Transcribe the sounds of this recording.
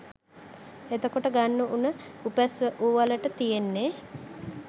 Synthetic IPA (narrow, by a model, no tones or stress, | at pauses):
et̪okoʈəɡanːəʔunəupæsʋəʔuʋaləʈət̪ijenːe